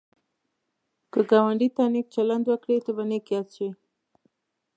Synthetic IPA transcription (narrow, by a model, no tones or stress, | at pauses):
kəɡawaɳɖit̪ɑnik̚t͡ʃaland̪wəkɽet̪obanekjat͡swi